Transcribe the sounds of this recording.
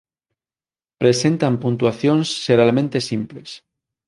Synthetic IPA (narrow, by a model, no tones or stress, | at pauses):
pɾe̞se̞nt̪ampunt̪uaθjonsːeɾalmẽnt̪e̞simples